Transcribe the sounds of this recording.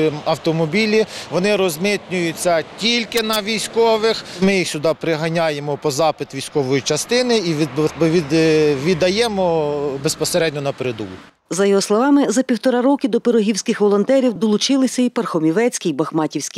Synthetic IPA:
mɐwt̪ɔmɔbʲilʲiʋɔnɪɾɔzmɪt̪ʲnʲʊjʊt͡sʲːɐtʲilʲkɪnɐʋʲijsʲkɔʋɪxmɪjixsʲʊd̪ɑpɾɪɦɐnʲajemɔpɔzɑpɪt̪ʋʲijsʲkɔʋɔjit͡ʃɐst̪ɪnɪiʋʲiʋʲid̪ɐjɛmɔbespɔseɾɛdʲnʲɔnɐpeɾed̪ṵlʊ | zɐjɔɦɔslˠɔʋɑmɪzɐpʲiwt̪ɔɾɑɾɔkɪd̪ɔpeɾɔɦʲiwsʲkɪxʋɔlˠɔnt̪ɛɾʲiwd̪ɔlˠʊt͡ʃɪlˠɪsʲɐipɐrxɔmʲiʋɛt͡sʲkʲijbɐxmɑtʲiwsʲkʲi

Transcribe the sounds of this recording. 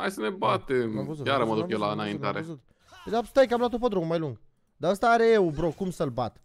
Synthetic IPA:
ha̰jsənebat̪emvujaɾəməd̪ukjewlaɨnaint̪aɾezut̪ | ed̪ast̪ajkəamlat̪̬op̬əd̪ɾommajluŋɡ | d̪aəst̪aːɾejeubɾokumsəlbat̪

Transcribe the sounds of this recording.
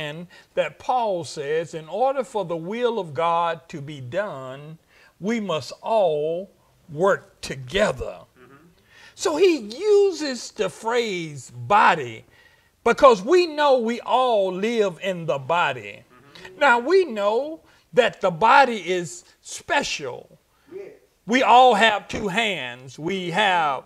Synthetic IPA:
nðɨt̚pʰɔlˠsɛzɨ̃nɔɹɾə˞fə˞ðəwɪlˠʌvɡɑd̚tʰɨbidʌ̃n | wimʌstɔlˠ | wɜ˞k̚tʰɨɡɛðə̰˞ | soʊijuzɪz̥tʰɨfɹeɪzbɑɾḭ | b̥ɨkʰʌzwinoʊwiʔɔlˠlɪvɪ̃nðəbɑɾḭ | naʊwinoʊ | ðɨt̪̚ðəbɑɾiɪz̥ | spɛʃl̩ˠ | wiɔlˠɨv̥tʰʉɦæ̃ndzwiɨv̥

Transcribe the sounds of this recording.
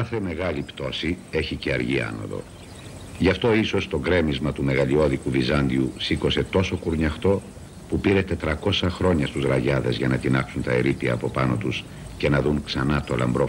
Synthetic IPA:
kɐθe̞me̞ɣɐlipt̪o̞sie̞çiceɐɾʝiɐ̰no̰ðo̞̰ | ʝɐft̪o̞iso̞st̪o̞ɡɾe̞mizmɐt̪ume̞ɣɐʎio̞ðikuvizɐnd̪iusiko̞se̞t̪o̞so̞kuɾɲɐxt̪o̞ | pupiɾet̪e̞t̪ɾɐko̞sɐxɾo̞ɲɐst̪uzɾɐʝɐðe̞zʝɐnɐt̪inɐksunt̪ɐeɾipiɐ̰ːpo̞pɐno̞t̪us | cenɐðuŋksɐnɐt̪o̞lɐ̰mbɾo

